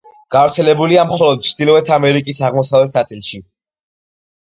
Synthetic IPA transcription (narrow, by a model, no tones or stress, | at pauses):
ɡ̥avɾt̪sʰɛlɛbuliamχɔlˠɔd̪̚t͡ʃʰd̪̥ilˠɔvɛt̪ʰamɛɾikʼisaʁmɔsavlɛt̪ʰnat̪sʼilˠʃi